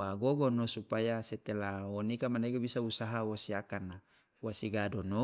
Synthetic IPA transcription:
aɡoɡɔnosupajaset̪elaonikamaneɡabisausaɦauwasiakana | uwasiɡadɔno

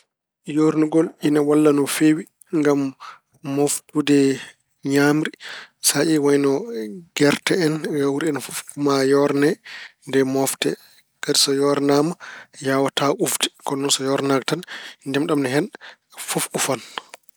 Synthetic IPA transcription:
joɾnuɡɔlinawalːanɔfewi | ŋɡamː | oftudɛ | ɲamɾisaʔiwajnɔɡɛɾtɛɛnɡawuɾiɛnfufumajɔɾnɛndɛmɔftɛ̰ | kadisɔjɔɾnamajawataufdi̥kɔnɔnsɔjɔɾnaɡtanndɛmɗamnɛɦɛn | fufufan

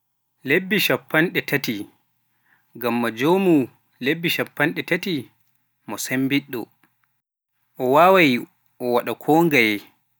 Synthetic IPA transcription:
lebːiʃapːanɗɛtati | ɡamːad͡ʒoːmu | lebːiʃapːanɗɛtati | mɔsembiɗːɔ̰ | ʔɔwaːwaj | ʔɔwaɗakʰoːŋɡaj

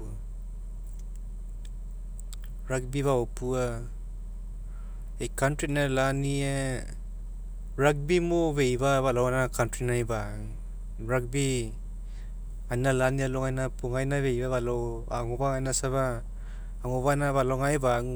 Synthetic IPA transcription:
ɾak̚biβawopʰua | ejkantɾitnalania | ɾak̚bimoβejbaβalawanakantɾinajbaŋ | ɾak̚bi | ajnalanialɔŋajnapuŋajnaβejbaβalaw | aŋɔbaŋajnasaβaː | ŋɔβanaβalawŋajbaŋ

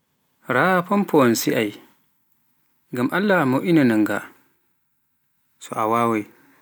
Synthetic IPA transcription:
ɾapɔmpʰɔnsiʔaj | ŋɡamʔalːamɔʔinanaŋɡa̰ | sɔʔawaːwaj

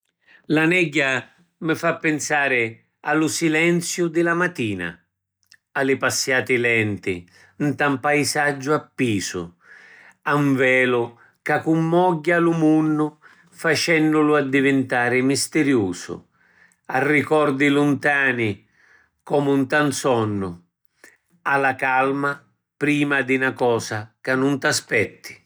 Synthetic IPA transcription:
lanɛɟːa | mɪfapːɪnsaːɾɪ | a̰lʊsilɛnt̪sjʊd̪ɪlamat̪ːiːna̰ | alɪpasːjaːt̪ɪlɛnt̪ɪ | nt̪ampajsad͡ʒːʊapːiːsʊ̰ | aɱvɛːlʊ | kakumːɔɟːalʊmunːʊ | fat͡ʃɛnːʊlʊad̪ːivɪnt̪aːɾɪmist̪ɪɾjuːsʊ̰ | arːikɔrd̪ilʊnt̪aːni | kɔːmunt̪ansɔnːʊ | alakalma | pɾiːmad̪ɪnakɔːsakanːʊnt̪aspɛt̪ʰːi̥

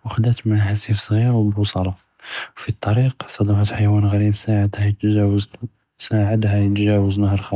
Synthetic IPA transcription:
wəxd̪æt̪mæhasifsˤɣiɾwbusˤɑlɑ | wfit̪ˤːɑɾiqsˤɑd̪ɑfət̪ħajwænɣæɾibsaʕəd̪hæjt̪ʒwz | saʕəd̪hæjət̪ʒæwəznəhəɾˤxɑ

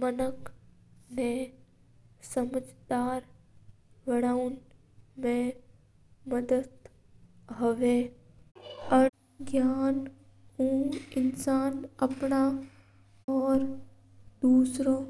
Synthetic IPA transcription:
mənək | nẽ | səməd͡ʒd̪aːɾ | ʋəɽaːun | mẽ | məd̪əd̪ | ɦəʋeː | ə | ɡjaːn | ũːɪnsaːnɐpɳa | ɔːɾ | d̪uːsɾo

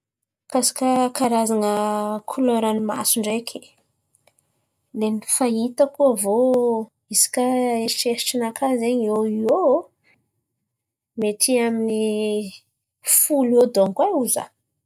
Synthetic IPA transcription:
kasḁkəkaɾazaŋəkʰuloɾanima̰suɳɖ͡ʐekʰi̥ | lenifait̪əkuəvo | isi̥kaeʃeʈ͡ʂinakazeɲoio | met̪iamini | fulod̪oŋɡwauzə̰

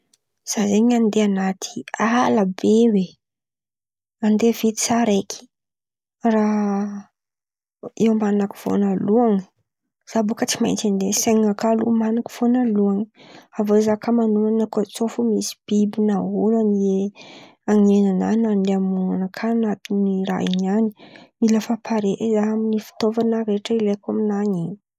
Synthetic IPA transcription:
z̥azeɲand̪eanat̪ʰi̥alabewe | and̪evit̪isaɾekʰi̥ | ra | ewmanaki̥v̥o̰naluaŋ | z̥abukət͡sima̰jnt͡sand̪eseŋakalṵmanaki̥v̥onaluaŋavozakamanuanakot͡sofumisi̥b̥ibinaɦulanie | aŋenana̰nand̪eamuŋanakʰanat̪iniɾa̰ḭɲanimiləfapʰaɾeʔezaaminifi̥t̪ovanəɾeʈ͡ʂəilekaminaɲiɲ

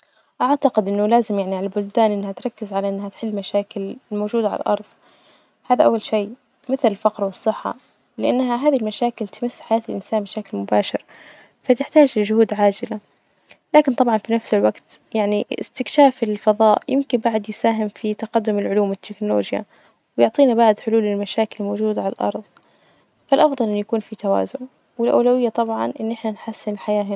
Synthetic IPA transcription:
ʔaʕt̪aqɪd̪ʔɪnːʊlaːzɪmjaʕniʕalalbʊld̪aːnʔɪnːhat̪ɾˤɑkːɪzʕalaʔɪnːhat̪ħɪlːmaʃaːkɪlmowʒuːd̪aʕa̰la̰lʔɑ̰ɾˤðˤ | haːðaʔawːalʃeː | mɪθlɪlfɑqɾwɨsˤːɨħːɑ̰ | lɪʔanːɦaɦaːðilmaʃaːkɪlt̪ɪmɪsːħajaːt̪ɪlʔɪnsaːnmaʃaːkɪlmʊbaːʃɪɾ | fat̪ɪħt̪aːd͡ʒlɪʒʊhuːd̪ʕaːd͡ʒɪla | laːkɪnt̪ˤɑbʕɑnfinafsɪlwaɡt̪jaʕniɪ̰st̪ɪkʃaːfɪlfɑðˤɑːʔjɪmkɪnbaʕʊd̪jɪsaːɦɪmfit̪ɑqɑd̪ːʊmɪlʕʊluːmwɪt̪ʰːɪknʊlo̰ːd͡ʒja̰ | wjʊʕt̪ˤiːnabaʕd̪ħʊluːlɪlmaʃaːkɪlmowʒuːd̪aʕala̰lʔɑ̰ɾˤðˤ | falʔɑfðˤɑlʔɪnːjakuːnfit̪awa̰ːzʊn | wɪlʔa̰wlawɪjːat̪ˤɑbʕɑ̰nʔɪnːʔɪħnanħasːɪnlħajaːɦɪ

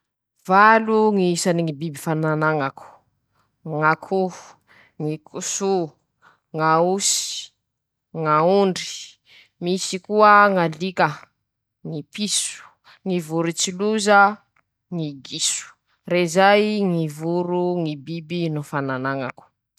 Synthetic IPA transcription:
valuŋisaniŋibibifananaŋaku̥ | ŋakʰu | ŋikʰusu | ŋausi̥ | ŋauɳɖ͡ʐi̥ | misikuəŋalikə | ŋipisu̥ | ŋivuɾut͡siluzə | ŋiɡisu̥ | rezajŋivuɾuŋibibinufananaŋa̰ku̥

